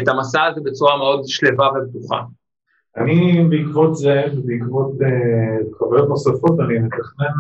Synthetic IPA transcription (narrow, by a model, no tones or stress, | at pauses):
et̪amasazebe̞t͡suʁameo̞dʃle̞vaveb̚tuχa̰ | anibeikvot̪zevebeikvot̪ekavajot̪nosafot̪animet̪aχnen